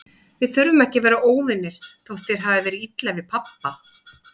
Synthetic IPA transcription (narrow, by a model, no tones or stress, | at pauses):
vɪðθʏɾvʏmɛhcɪvɛːɾaʔoːwvɪnːɪɾ̥θawst̪ɛɾ̥ɦaːvɪvɛːɾɪit̪lavɪðpʰapːa